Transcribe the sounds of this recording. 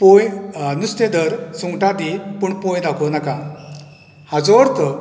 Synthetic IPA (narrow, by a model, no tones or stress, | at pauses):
pojnust̪ẽd̪əɾsuŋɡʈat̪ipuɳpojd̪akʰɔnaka | had͡zɔɾk̪ə